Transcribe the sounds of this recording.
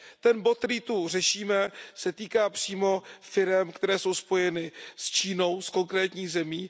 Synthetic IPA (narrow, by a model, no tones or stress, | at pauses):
t̪ɛnbo̞t̪̚ɾiːt̪ur̝ɛʃiːmɛsɛt̪iːkaːpr̝̥iːmo̞fɪɾɛmkt̪ɛɾɛːso̞wspo̞jɛnɪst͡ʃiːno̞wsko̞ŋkɾɛːt̪ɲiːɣzɛmiː